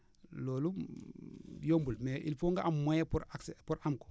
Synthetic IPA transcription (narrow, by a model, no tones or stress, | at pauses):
loːlu | jombulmeʔḭlfoŋɡaʔamojepuɾaksepuɾamko̥